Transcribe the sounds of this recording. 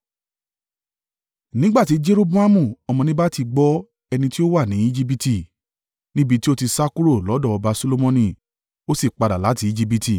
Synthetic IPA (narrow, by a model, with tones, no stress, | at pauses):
nĩ˦ɡ͡ba˦˨ti˨˦d͡ʒe˦ɾo˦bu˦a˦mũ˦˨ɔ˧mɔ̃˧nĩ˦ba˦ti˧ɡ͡bɔ˦ | ɛ˧nĩ˧ti˦o˦wa˦˨nĩ˨˦i˦d͡ʒi˦b̬i˧ti˧˨ | nĩ˦bi˧ti˦o˦ti˧sa˦ku˦ɾo˦˨lɔ˨˦dɔ˦˨ɔ˧ba˧so˧lo˧mɔ̃˧nĩ˦˨ | o˦si˦˨k͡pa˧da˨la˨˦ti˨˦i˦d͡ʒi˦bi˧ti˨